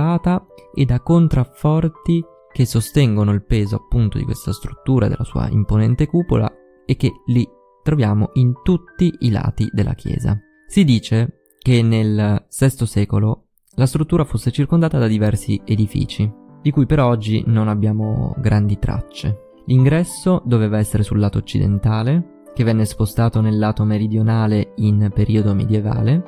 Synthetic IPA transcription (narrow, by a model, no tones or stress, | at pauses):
aːt̪aed̪akːont̪ɾafɔrt̪i | k̟esːost̪ɛŋɡonoilpeːzoapːunt̪od̪ikwḛst̪ast̪ɾut̪ːuːɾad̪ḛlːasṵːa̰ḭmponɛnt̪ekuːpo̰la̰ | ek̟ːeli | t̪ɾovjaːmoʔint̪ut̪ːiʔila̰ːt̪ḭd̪ḛlʔa̰k̟jɛ̰ːza̰ | sid̪iːt͡ʃe | k̟enːelsɛst̪osɛːkolo | last̪ɾut̪ːuːɾafosːet͡ʃirkond̪aːt̪ad̪ad̪ivɛrsied̪ifḭːt͡ʃi | d̪ikuːjpeɾɔɔd͡ʒːḭnonabːjaːmo̰ɡɾand̪it̪ɾa̰t͡ʃːḛ | liŋɡɾɛsːod̪oveːvaɛsːeɾesulːaːt̪oːt͡ʃːḭd̪ḛnt̪aːle | k̟evːɛnːespost̪aːt̪onelːaːt̪omeɾid̪jonaːleinpeɾʔiːod̪omḛd̪jeva̰ːle